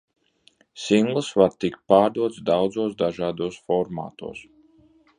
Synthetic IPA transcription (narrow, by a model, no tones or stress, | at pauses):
siŋɡlˠɨsvaɾt̪ikpaːɾd̪uɔt̪sd̪awd̪zuːsd̪aʒaːd̪uɔsfɔɾma̰ːt̪ṵɔːs